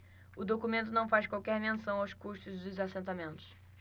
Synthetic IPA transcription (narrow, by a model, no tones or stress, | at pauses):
ʊd̪okumẽnt̪ʊnɐ̃w̃fajskwawkɛɾmẽsɐ̃w̃awskuʃt̪ʊzd̪ʊzasẽnt̪amẽnt̪ʊ̥s